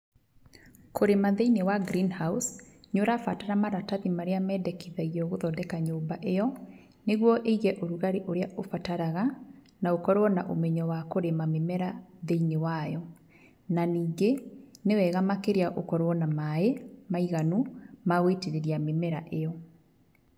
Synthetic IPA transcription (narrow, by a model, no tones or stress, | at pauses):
kʰoɾemaðeinewaɡɾinhausɲoɾafataɾamaɾataðimaɾeamɛdɛkiðaiɣɔɣoðɔdɛkaɲoːmbaʔejɔ | neɣwɔʔeiɣɛʔoɾuɣaɾeʔoɾeaʔofataɾaɣa | naokɔɾwɔnaʔo̰mɛɲɔwakoɾemamemɛɾaðeinewajɔ | naniːŋɡenewɛɣamakeɾeaʔokɔɾwɔnamaemaiɣanumaɣweteɾeɾiamemɛɾaʔejɔ